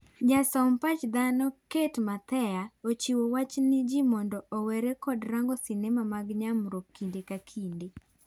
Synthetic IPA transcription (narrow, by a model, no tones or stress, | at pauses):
d͡ʒasɔmpat͡ʃd̪anɔketmat̪ɛjaot͡ʃiwowat͡ʃnɪd͡ʒimɔndɔɔwɛɾekɔdɾaŋɡɔsɪnemamaɡɲamɾokkːindekakʰinde